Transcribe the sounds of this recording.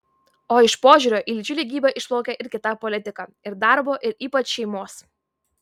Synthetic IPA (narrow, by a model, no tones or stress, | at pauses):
oːɪʃpoːʒʲʊːɾʲoːʔiːlʲd͡ʒʲʊlʲɛɡʲiːbʲɛʔɪʃplˠɔʊkʲɛʔɪɾʲkʲɪt̪ɑˑpɔlʲɪt̪ʲɪkɑɪɾd̪ɑˑɾboːʔɪɾiːpɐt͡ʃʃʲɛɪmoːs